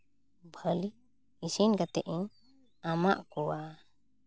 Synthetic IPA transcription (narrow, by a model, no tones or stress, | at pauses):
bʱəli | isinɡat̪ɛʔiɲ | amaʔkɔwa